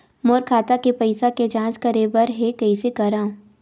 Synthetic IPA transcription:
moːɾkʰaːt̪akepɐɪsaked͡ʒãːt͡ʃkɐɾeːbəɾɦekɐisekɐɾãː

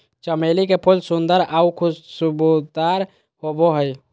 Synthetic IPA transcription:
t͡ʃəmelikepʰulsund̪əɾaukʰusubud̪aɾ | hoboɦəj

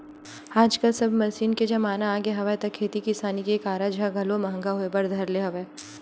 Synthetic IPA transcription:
aːd͡ʒkɐlsɐbʱmɐsiːnked͡ʒɐmaːnaːɡeɦɐʋat̪ɐkʰːeːt̪ikisaːnikeːkaːɾad͡ʒaɡʱɐlomɐɦə̃ŋɡaɦoebɐɾd̪ʱɐɾleɦɐʋeː

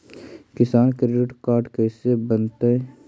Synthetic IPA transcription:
kɪsaːnkɾeɖɪʈkaːɾɖkɛːsebənt̪eɛ

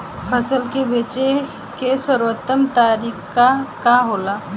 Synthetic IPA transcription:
pʰəsəlkebeːt͡ʃe | kesəɾwət̪ːəmt̪aːɾiːkkakaɦoːlaː

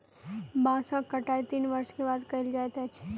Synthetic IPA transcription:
bãːsãkɐʈaːet̪iːnʋɐɾʃkebaːd̪kɐɪld͡ʒaːet̪ɛt͡ʃʰ

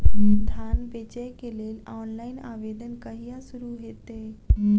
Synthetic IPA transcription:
d̪ʱanʋet͡ɕəjkelelɔːnlaina̰ʋed̪ənkəɦijasuɾuɦet̪e

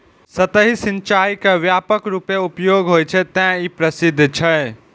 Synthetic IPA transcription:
sət̪əɦisĩnt͡ʃajkeʋjapəkɾupeupjoɡɦojt͡ʃʰɛt̪ɛ̃ipɾəsid̪ʱːt͡ʃʰə

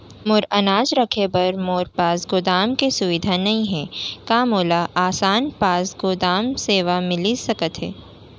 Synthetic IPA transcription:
mʊɾɐnaːd͡ʒɾɐkʰebɐɾmoːɾpaːsɡʊd̪aːmkesʊʋɪd̪ʱanɐɦĩɦɛːkaːmoːlaʔaːsaːnpaːsɡod̪aːmseːʋamɪlisɐkət̪ɦɛː

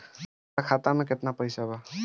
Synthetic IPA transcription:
akʰat̪amẽket̪napəjsaba

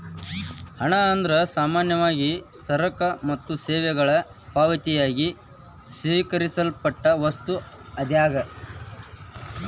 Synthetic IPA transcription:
hɐɳɐːnd̪ɐɾɐsaːmaːnjɐʋaːɡisɐɾɐkɐmɐt̪ːuseːʋɛɡɐɭɐ | paːʋɐt̪ijaːɡi | sʋiːkɐɾisɐlpɐʈːɐʋɐst̪u | ɐd̪jaːɡɐ

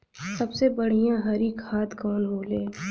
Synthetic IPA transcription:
sɐbsebɐɽ̤ijãɦɐɾiːkhaːt̪kɔːnɦoːleː

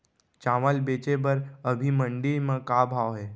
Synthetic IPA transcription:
t͡ʃaːməlbeːt͡ʃebəɾəbʱimə̃ɳɖiɾmẽkaːbʱaːʋɦɛː

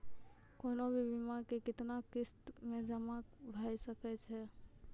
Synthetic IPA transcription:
koːnobʱibʱɪmakekɪt̪nakɪst̪mẽd͡ʒəmabʱajsəkɛt͡ʃʰɛ

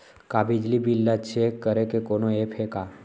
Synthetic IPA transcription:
kabid͡ʒlibilːat͡ʃʰekəɾekekonoepʰeka

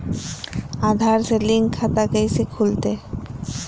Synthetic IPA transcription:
ad̪ʱaɾseliŋʰːat̪aɡəjsekʰult̪e

